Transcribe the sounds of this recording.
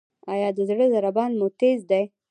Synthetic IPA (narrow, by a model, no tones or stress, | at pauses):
ajɑd̪əzɽəzaɾabɑnmʊt̪ezd̪aj